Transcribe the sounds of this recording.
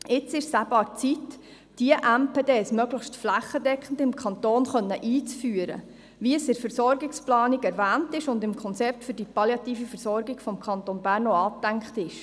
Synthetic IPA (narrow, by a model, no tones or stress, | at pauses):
ɪt͡sɪʃsæbɑːɾt͡sit | d̥iəʔæmpeːdeːsmœɡləχʃtflæχːədɛkχən̩dɪmkʰχɑntoːnχœnːəʔiːt͡sfyːəɾə̰ | ʋiəsɪfəɾsɔɾɡɪksplɑːniɡɛɾvæːntɪʃʊndɪmkʰɔnt͡sɛp̚tfʏɾdipɑljɑt̪iːfifəɾsɔɾɡɪɡ̥fɔmkʰɑntonbæːrnoɑːp̚d̥æŋkχtɪʃ